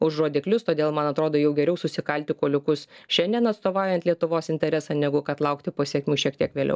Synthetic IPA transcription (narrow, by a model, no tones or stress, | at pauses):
ʊʃroːd̪ʲɪklʲʊst̪oːd̪ʲeːlˠmɐnɐt̪ɾoːd̪oːjɛʊɡʲɛɾʲɛʊsʊsʲɪkɐlʲt̪ʲɪkoːlʲʊkʊsʃʲɛnʲd̪ʲiɛnɐt̪st̪oːʋɑːʊjɛnt̪lʲiɛt̪ʊʋoːsɪnʲt̪ʲɛɾʲɛsɑnʲɛɡʊkɐt̪lˠɐʊkt̪ʲɪpɐsʲiɛkʲmʲuːʃʲiɛkt̪ʲiɛkʋʲeːlʲɛ̰ʊ